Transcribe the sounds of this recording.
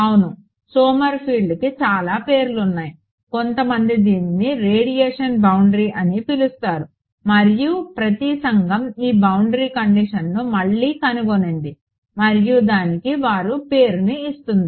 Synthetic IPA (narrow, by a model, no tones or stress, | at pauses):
ɐwunu | soːmɐɾpʰiːɭɖkit͡ʃaːlaːpe̞ːɾulunːaːji | ko̞nt̪ɐmɐnd̪id̪iːniniɾeːɽijɛːʂɐnbɐwuɳɖɾiːʔɐnipilust̪aːɾu | mɐɾijupɾɐt̪isɐŋɡɐmiːbɐwuɳɖɾiːkɐɳɖiʂɐnːumɐɭːiːkɐnuɡoneɳɖi | mɐɾijud̪aːnikiʋaːɾupe̞ːɾuniːst̪und̪i